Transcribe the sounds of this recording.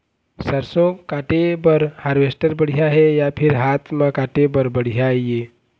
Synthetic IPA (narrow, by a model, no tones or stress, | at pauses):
səɾsõkaːʈebəɾhaːɾʋesʈəɾbəɽ̤ijaɦejapʰɪɾɦaːt̪ʰmãkaːʈebəɾbəɽ̤ijaje